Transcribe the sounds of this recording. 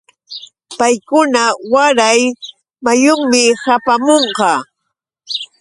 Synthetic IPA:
pajkʊnawaɾaj | majʊŋmɪhapamoɴqɑ

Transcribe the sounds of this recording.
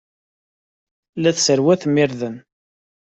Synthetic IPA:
læθsəɾwæθmːɪɾðən

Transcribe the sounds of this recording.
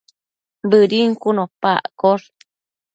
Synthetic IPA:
bɨɾiŋkunõpa̰ʔkoɾ

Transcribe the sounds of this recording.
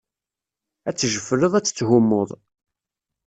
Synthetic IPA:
æt͡sːʒəfəɾəðˤæt͡sːt͡sːɦʊmːoðˤ

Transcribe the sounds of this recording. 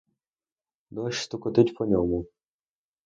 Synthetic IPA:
d̪ɔʃst̪ʊkɔt̪ɪt̪ʲpʰɔnʲɔmʊ

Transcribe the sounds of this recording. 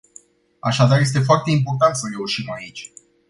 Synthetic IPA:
a̰ʃad̪arje̞s̬t̪e̞foart̪e̞imp̬o̞rt̪ant̪səre̞uʃimait͡ʃʲ

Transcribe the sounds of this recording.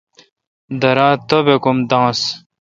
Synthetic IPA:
d̪ɐɾãːt̪obekumd̪ãːs

